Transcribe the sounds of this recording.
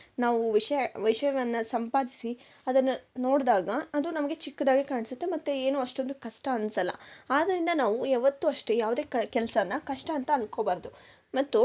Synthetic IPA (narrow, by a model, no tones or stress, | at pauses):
naːʋuʋiʂɐjʋɐjʂɐjɐʋɐnːɐsɐmpaːd̪isi | ɐd̪ɐnːɐno̞ːɽd̪aːɡɐːd̪unɐmɐɡe̞t͡ʃikːɐd̪aːɡekaːɳisut̪ːemɐt̪ːue̞ːnuːɐʂʈo̞nd̪ukɐʂʈɐɐnsɐlːɐ̰aːd̪ɐɾind̪ɐnaːʋuɛʋɐt̪ːuɐʂʈejaːʋud̪e̞ːkɐkɛlɐsɐɐnːɐkɐʂʈɐɐnt̪ɐːnko̞ːbaːɾɐd̪u | mɐt̪ːu